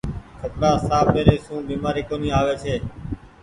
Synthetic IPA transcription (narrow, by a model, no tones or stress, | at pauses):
kʰət̪nãːsaːfɓeːɾeːsũːbiːmaːɾiːkoːnĩːaːʋeːsʰeː